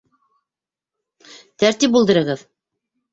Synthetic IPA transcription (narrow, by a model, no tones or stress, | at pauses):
t̪æɾt̪ip̬ulˠd̪ɤ̆ɾɤ̆ʁɤð